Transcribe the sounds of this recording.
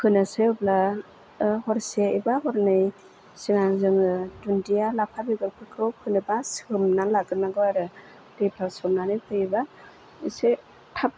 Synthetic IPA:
kʰɯnaseɔbla | hɔɾseibaɦɔɾnɯj | siŋaŋzɯŋɯdundijalapʰabiɡɯɾpʰɯkʰɾɯwkʰɯnɯbashɯmnalaɡɯnaɡɯaɾɯ | depʰasɔmnanɯjpʰɯiba | ise | tʰap̚

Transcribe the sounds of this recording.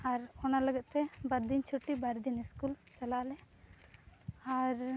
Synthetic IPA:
aɾɔnaləɡɛt̪̚t̪ɛbaɾd̪int͡ʃʰuʈːibaɾd̪iniskult͡ʃalaʔlɛ | aɾ

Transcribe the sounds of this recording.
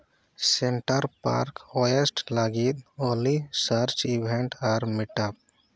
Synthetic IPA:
sɛɳʈəɾpa̰ɾkɔjesʈlaɡit̪̚olisəɾt͡ʃibʱɛɳʈaɾmiʈap̚

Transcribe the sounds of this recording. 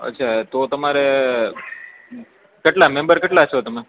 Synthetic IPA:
ə̰tːʃʰat̪ot̪əmaɾe | kɐʈlamẽmbəɾkɐʈlat͡ʃʰot̪əme

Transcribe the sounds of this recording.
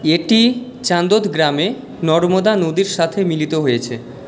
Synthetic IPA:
eʈi | t͡ɕand̪ot̪ɡɾame | nɔɾmod̪anod̪iɾʃat̪ʰemilit̪oɦojet͡ɕʰe

